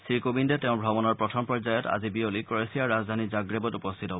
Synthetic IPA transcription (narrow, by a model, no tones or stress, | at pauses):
sɹikobindɛtɛʊ̃bʱɔbɔnɔɹpɹɔtʰɔmpɹɔɹzajɔta̰zibiolikɔɹesijaɹazd̪ʱanizaɡɹebɔtupɔstʰitɦɔbɔ